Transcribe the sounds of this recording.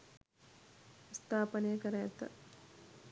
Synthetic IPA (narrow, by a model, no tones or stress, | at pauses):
st̪ʰaːpənejəkəɾɐjɛt̪ə̰